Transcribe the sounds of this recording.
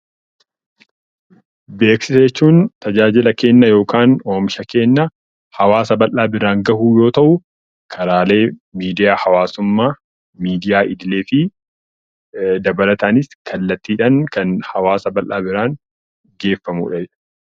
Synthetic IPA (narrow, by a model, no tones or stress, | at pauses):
be̞ːksɪsɐɛt͡ʃːuːnt̪ɐd͡ʒaːd͡ʒɪlɐke̞ːnːɐjo̞ːkaːnoːmʃɐke̞ːnːɐ | hɐwaːsɐbɐlʔaːbɪɾaːŋɡɐhuːjo̞ːt̪ɐʔʊ | kʰɐɾaːle̞ːmiːd̪ɪjaːhɐwaːsʊmːaː | miːd̪ɪjaːʔɪd̪ɪleːfɪ | d̪ɐbɐlɐt̪ɐːnɪskʰɐlːɐt̪ːiːᶑɐnkɐnhɐwaːsɐbɐlʔaːbɪɾaːŋ | ɡe̞ːfːɐmṵːᶑɐd͡ʒɛᶑɐ̥